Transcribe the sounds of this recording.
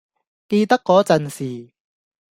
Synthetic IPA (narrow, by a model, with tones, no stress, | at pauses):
ke˧t̪ɐ˥kːɔː˨˥t͡sɐ˨nsiː˨˩